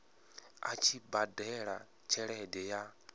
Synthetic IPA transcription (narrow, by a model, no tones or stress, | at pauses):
a̰t͡ʃʰibadɛɺa | t͡ʃʰɛɺɛdɛja